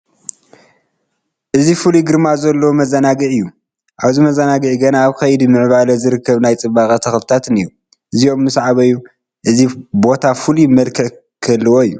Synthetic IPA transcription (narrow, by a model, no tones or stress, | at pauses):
ʔɨzifuluɡɨɾmazɐlːɐwumɐzɐnaɡɨʕɨjːu | ʔaβzimɐzɐnaɡɨʕiɡɐnaːβkʰɐjd̪imɨʕβalɐzɨɾɨkʰːɐβnajt͡sʼɨβaxɐt̪ʰɐxft̪ʰat̪ɨniɾu | ʔɨzio̞mːɨsʕaβɐjːu | ʔɨzibo̞t̪ʰafulimɐlkʰɨʕ | kʰɐlːɨwoɨjːu